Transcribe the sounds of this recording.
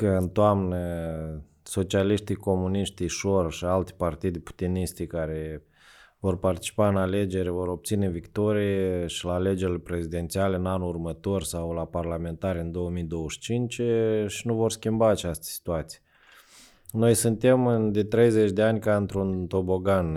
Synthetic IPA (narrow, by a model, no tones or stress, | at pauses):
kəɨnt̪oamnə | so̞t͡ʃialiʃt̪ijko̞muniʃt̪iʃorʃialt̪ʲpart̪id̪ʲpu̥t̪iniʃt̪ikaɾe̞ | vo̞rpart̪i̥t͡ʃi̥paɨnale̞d͡ʒe̞ɾvo̞ɾo̞b̚t̪sine̞vikt̪o̞ɾijeʃilaːle̞d͡ʒe̞ɾilʲepɾe̞zid̪e̞nt̪sialeɨnanurmət̪o̞rʲsawlaparlame̞nt̪aɾʲɨnd̪o̞wəmijd̪o̞wəʃt͡ʃint͡ʃʃinuvo̞rskʲimbaːt͡ʃast̪ə̥si̥t̪uat̪sije | no̞jsɨnt̪e̞mɨnd̪e̞t̪ɾe̞jze̞t͡ʃʲd̪eanʲkaɨnt̪ɾunt̪o̞bo̞ɡan